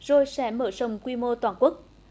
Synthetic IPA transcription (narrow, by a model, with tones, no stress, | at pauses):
z̥o˧˩jsɛ̰˧˦məː˧˩˦zə˨˩wŋ͡mkwi˧mo˧t̪waː˨˩nku˦˥ək̚